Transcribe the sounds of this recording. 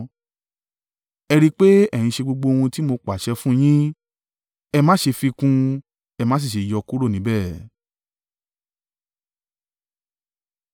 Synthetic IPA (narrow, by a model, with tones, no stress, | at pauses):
ɛ˧ɾi˧k͡pe˦ɛ̃˦˨ĩ˧ʃe˧ɡ͡bo˧ɡ͡bo˧hũ˧ti˦mo˧k͡pa˨ʃɛ˧fũ˦j̃ĩ˦ | ɛ˧mãː˦ʃe˧fi˧kũ˧ | ɛ˧mãː˦s̬i˦˨ʃe˨jɔ˧ku˦ɾo˦˨nĩ˨˦bɛ˦˨